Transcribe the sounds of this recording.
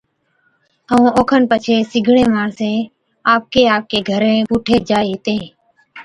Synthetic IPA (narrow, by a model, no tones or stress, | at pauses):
əõːoːkʰənpət͡ʃʰeːsɪɡʱɽẽːmaːɳsẽː | aːp̚keːaːp̚keːɡʱəɾẽːpuːʈʰeːd͡ʒaːeːt̪ẽː